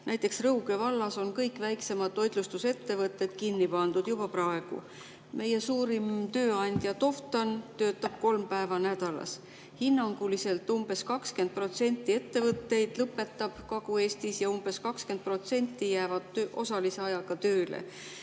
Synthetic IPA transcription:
næjt̪ːˑe̞ksrɤwɡe̞vɑlːɑso̞nkɤjkːˑvæjkse̞mɑd̪̚ːo̞jd̪lust̪use̞t̪ːe̞vɤt̪ːˑe̞d̪̥kinːipɑnd̪̥ud̪̥jubɑprɑe̞ɡ̥ṵ | mʔe̞je̞suːɾimt̪ø̞ːɑnʲd̪̥ʲjɑt̪o̞ft̪ɑnt̪ø̞ːt̪ˑːɑb̥̚ko̞lmpæevɑnæd̪̥ɑlɑ̰s | hinːɑŋɡ̥ulise̞lt̪ːˑumb̥e̞skɑkske̞nd̪̚pro̞t̪se̞nʲt̪ˑːie̞t̪ːe̞vɤt̪ːe̞jd̪̥lɤpːˑe̞t̪ːˑɑb̥kɑɡ̥ue̞ːst̪isjɑumb̥e̞skɑkske̞nt̪̚pro̞t̪se̞nʲt̪ːˑijæːvɑd̪̥t̪øʔo̞̰sɑlise̞ɑjɑɡ̥ɑt̪ø̞ːlḛ

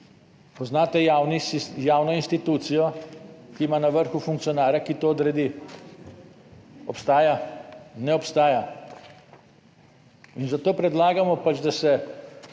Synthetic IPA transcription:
pɔznaːt̪ɛjawnijaːwnɔinst̪it̪uːt̪sijɔkimanaʋəɾxufuŋkt̪sijɔnaːɾjakit̪oːd̪ɾɛd̪i | ɔpst̪aːjanɛɔpst̪aːja | inzat̪oːpɾɛd̪laːɡamɔpat͡ʃd̪asɛ

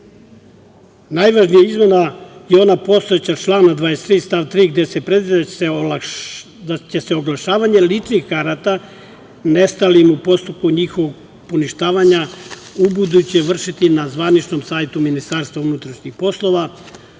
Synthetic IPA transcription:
najʋaʒnijaizmenajeo̞napo̞st̪o̞et͡ɕat͡ʃlˠaːnad̪ʋaːjest̪ɾiːst̪aʋt̪ɾiːɡd̪e̞se̞pɾe̞d̪ʋid̪asela | d̪at͡ɕese̞oɡlˠaʃaːʋaɲe̞lit͡ʃnixkaɾat̪a | ne̞st̪alimupo̞st̪up̚kuɲixoʋoɡ | poniʃt̪aːʋaɲa | ubud̪ut͡ɕeʋr̩ʃit̪inazʋanit͡ʃno̞msaːjt̪uminist̪aːɾst̪ʋaunut̪ɾaʃnixpo̞slˠo̞ʋa

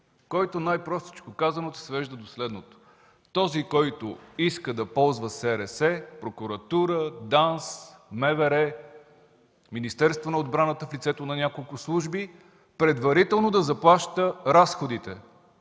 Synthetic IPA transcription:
kɔjt̪onajpɾɔst̪i̥t͡ʃkokazɐnot̪ʊ̥svɛʒd̪əd̪oslɛd̪not̪o̥ | t̪ɔzikɔjt̪oiskəd̪ɐpɔlˠzvəsɛɾɛsɛpɾokuɾɐt̪uɾəd̪ansmɛvɛɾɛ | minist̪ɛɾst̪vonɐod̪bɾanət̪əflit̪sɛt̪onɐnʲakolˠkʊslˠuʒbi | pɾɛd̪vɐɾit̪ɛlˠnod̪ɐzɐplˠaʃt̪əɾasxod̪it̪ɛ

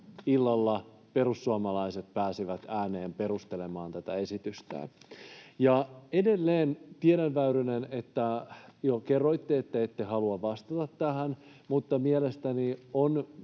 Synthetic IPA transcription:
ilːɑlːɑ | pe̞ɾusːuɑmɑlɑiset̪̚pæːsiʋæt̪æːneːmpe̞ɾust̪elemɑːnt̪æt̪æesit̪yst̪æ̰ | jɑedelːeːnt̪ieɾænʋæyɾynenet̪ːæjokerːoit̪ːeet̪ːæet̪ːehɑluɑʋʋɑst̪ɑt̪ɑt̪ːæhæn | mut̪ːɑmielest̪ænion

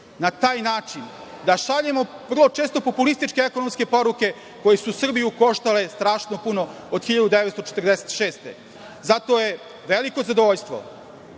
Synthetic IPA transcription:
nat̪aːjnaːt͡ʃin | d̪aʃaʎemo̞ʋr̩lˠot͡ʃeːst̪o̞populist̪it͡ʃkeekono̞mske̞po̞ɾuke̞ | ko̞jesusr̩bijuko̞ʃt̪ale̞st̪ɾaːʃnopuno̞ | od̪xiʎad̪ud̪eʋet̪st̪ot͡ʃet̪ər̩d̪eset̪ʃe̞ːst̪ḛ | zat̪oje | ʋeliko̞zad̪oʋoʎst̪ʋo̞̰

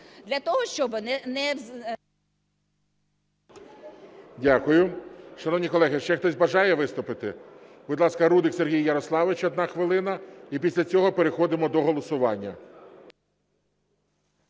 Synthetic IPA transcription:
d̪lʲɐt̪ɔɦɔʃt͡ʃɔbɪnɛnɛ | dʲakʊjʊʃɐnɔwnʲikɔlˠɛɦɪʃt͡ʃɛxt̪ɔzʲbɐʒɑjɛʋɪst̪ʊpɪt̪ɪb̥ʊd̪lˠɑskɐɾud̪ɪkseɾɦʲijːɐɾɔslˠɑʋɪt͡ʃɔd̪nɑxʋɪlˠɪnɐipʲisʲlʲɐt͡sʲɔɦɔpeɾexɔd̪ɪmɔd̪ɔɦɔlˠɔsʊʋɑnʲːɐ

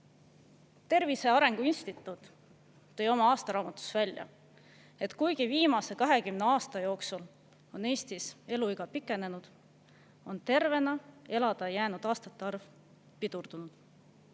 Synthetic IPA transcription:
t̪e̞rvise̞ɑɾe̞ŋɡ̥uinst̪it̪ːˑut̪ː | o̞jo̞mɑɑːst̪ɑɾɑːmɑt̪ːˑu̥svælʲjɑ̰ | e̞t̪kujɡiviːmɑse̞kɑɦe̞kymne̞ɑːst̪ɑjo̞ːksul | o̞ne̞ːst̪ise̞luiɡ̥ɑpikːˑe̞ne̞nud̪̥ | o̞nt̪e̞rve̞nɑe̞lɑd̪̥ɑjæːnud̪̥ɑːst̪ɑt̪ːˑeɑrv | pid̪̥urd̪̥unud̪̥

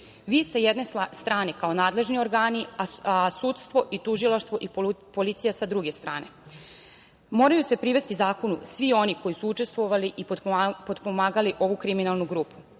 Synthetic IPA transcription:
ʋisajed̪nest̪ɾaːnekao̞naːd̪le̞ʒnio̞ɾɡaːniaasut̪st̪ʋo̞ʔit̪uʒilˠaʃt̪ʋo̞ʔipo̞lit̪sijasad̪ɾuɡe̞st̪ɾa̰ːne̞ | mo̞ːɾajuse̞pɾiʋe̞st̪izaːko̞nṵsʋio̞niko̞jisuut͡ʃest̪ʋo̞ʋaliʔipod̪pomaːɡaliʔo̞ʋukɾiminalˠnuɡɾuːpu̥

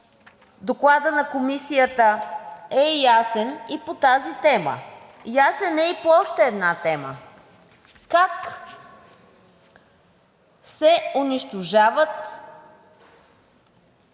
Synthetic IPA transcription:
d̪oklˠad̪ənɐkomisijət̪əɛjasɛnipot̪azit̪ɛmə̰ | jasɛnɛipoɔʃt̪ɛːd̪nat̪ɛmə̰ | kak | sɛʊniʃt̪oʒavət̪

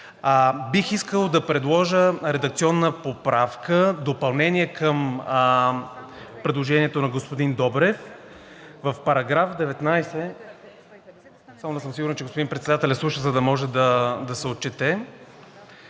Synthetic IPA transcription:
bixiskəlˠd̪ɐpɾɛd̪lˠɔʒəɾɛd̪ɐk̚t̪siɔnːəpopɾafkəd̪opɐlˠnɛniɛkəm | pɾɛd̪lˠoʒɛniɛt̪onɐɡospod̪ind̪ɔbɾɛf | vəfpɐɾɐɡɾafd̪ɛvɛt̪najsɛ | samonɛsəmsiɡʊɾnt͡ʃɛɡospoinpɾɛt̪sɛd̪at̪ɛlɛslˠuʃəzɐd̪ɐmɔʒɛd̪ɐd̪ɐsɛot̪̚t͡ʃɛt̪ɛ

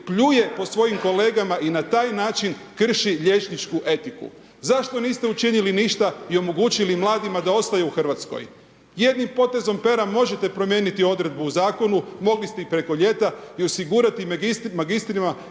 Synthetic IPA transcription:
pʎuje̞po̞sʋo̞jimko̞le̞ːɡamaʔinat̪aːjnaːt͡ʃinkr̩ʃiʎe̞t͡ʃnit͡ʃkuʔe̞t̪ikṵ | zaʃt̪o̞niːst̪e̞ut͡ʃiniliniʃt̪aio̞mo̞ɡuːt͡ʃilimlˠaːd̪imad̪ao̞st̪ajuuxr̩ʋat̪sko̰j | je̞d̪nimpo̞t̪e̞zo̞mpe̞ɾamo̞ʒe̞t̪e̞pɾo̞mje̞ːnit̪io̞d̪ɾe̞d̪̚buuzaːko̞numo̞ɡlist̪eipɾe̞ko̞ʎe̞t̪aio̞siɡuːɾat̪imismaɡist̪ɾima

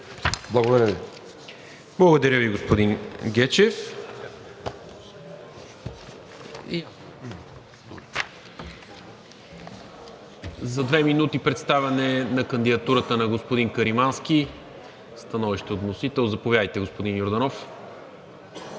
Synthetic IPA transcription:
blˠɐɡod̪ɐɾʲjəvi | blˠəɡod̪ɐɾjəviɡospod̪inɡɛt͡ʃɛf | ḭja | zɐd̪vɛminut̪ipɾɛt̪st̪avʲɐnɛnɐkənd̪id̪ɐt̪uɾət̪ənɐɡospod̪inkəɾimansk̟i | st̪ɐnɔviʃt̪iot̪nosit̪ɛlˠzɐpovjad̪əjt̪ɛɡospod̪injoɾd̪ɐnɔf

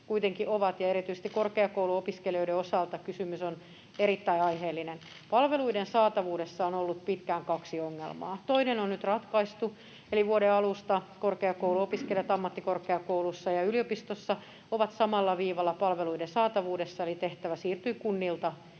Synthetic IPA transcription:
kuit̪eŋkiʔoʋɑt̪jɑeɾit̪yise̥st̪ikorkeɑkouwluopiskelio̞ideosɑlt̪ɑkysymyson | eɾit̪ːæiɑiheːlːinen | pɑlʋeluidensɑːt̪ɑʋuːdesːɑonolːut̪̚pit̪kæːŋkɑksioŋːḛlmɑ̰ːt̪oinenonnyt̪rɑt̪kɑist̪u | eliʋuoɾeɑlust̪ɑkorkeɑkouluopiskeljɑt̪ɑmːɑt̪ːikorkeɑkoulusːɑjɑyliopist̪osːɑ | oʋɑt̪sɑmɑlːɑʋiːʋɑlːɑpɑlʋeluidensɑːt̪ɑʋuːdesːɑelit̪eht̪æʋæsiːrt̪yikunːilt̪ɑ

